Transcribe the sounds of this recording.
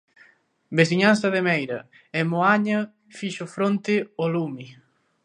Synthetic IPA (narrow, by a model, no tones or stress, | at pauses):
besiɲanθɐðemɛjɾɐ | emoaɲɐ | fiʃʊfɾont̪ɪolumi